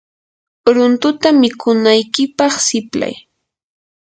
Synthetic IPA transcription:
ɾʊnt̪ʊt̪amɪkʊnajkɪpɑχsɪpla̰j

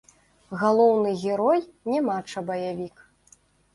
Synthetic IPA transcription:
ɣalˠɔwnɨɣʲɛɾɔjnʲɛmat͡ʂɐbɐjavʲik

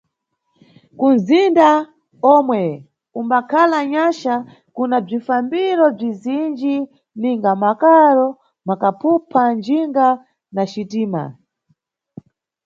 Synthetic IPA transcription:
kunzinda | ɔmwɛ | umbakʰalaɲaʃa | kunab͡ʐifambiɾɔb͡ʐizind͡ʒi | niŋɡamakaɾɔ | makapʰupʰand͡ʒiŋɡa | naʃitiːma̰

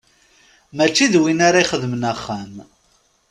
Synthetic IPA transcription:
mæt͡ʃːiðwinaɾaiχəðmənæχːæm

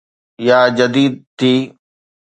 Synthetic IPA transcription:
jaːd͡ʑɐd̪iːd̪̚t̪ʰiː

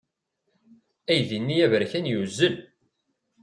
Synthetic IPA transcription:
æjðinːijævəɾçænjuzːəl

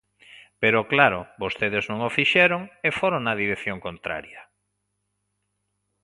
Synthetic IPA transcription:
peɾoklaɾobost̪eðeznõŋofiʃeɾoŋefoɾoŋnɐðiɾekθjoŋkont̪ɾa̰ɾjɐ

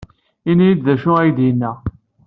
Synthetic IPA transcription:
inijid̪ðæʃʊæjd̪jənːæ

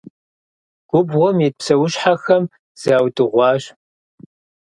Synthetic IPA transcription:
ɡ̥ʷʊbʁʷɔmjet̚psɐwʊɕħaxɐm | z̥aːwtʼɨʁʷɑːɕ

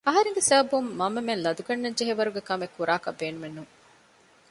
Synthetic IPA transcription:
ɐɦɐɾeŋɡesɐɦɐbumːɐmːemenlɐd̪uɡɐnːɐɲd͡ʒeɦeʋɐɾuɡekɐmekːuɾaːkɐbːeːnumenːuŋ

